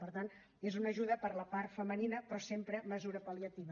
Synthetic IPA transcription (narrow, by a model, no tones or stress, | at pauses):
pəɾt̪an | ezunəʒuðəpəɾləpaɾt̪fəməninəpɾɔsempɾəməzuɾəpəliət̪iβə